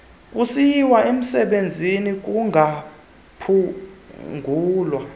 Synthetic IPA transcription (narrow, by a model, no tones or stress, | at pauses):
k̬ʼusiwaem̩sɛɓend͡zʱinik̬uŋʱa | pʰu | ŋɡʱuːlwa